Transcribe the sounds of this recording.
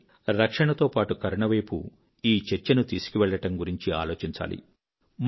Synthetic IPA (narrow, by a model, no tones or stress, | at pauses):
ɾɐkʂɐɳɐt̪o̞ːpaːʈukɐɾɐɳɐʋɐjpṵ | iːt͡ʃet͡ʃːɐnut̪iːsu̥kiʋɛɭːɐʈɐmɡuɾiɲt͡ʃia̰ːlo̞ːt͡ʃiɲt͡ʃa̰ːlḭ | m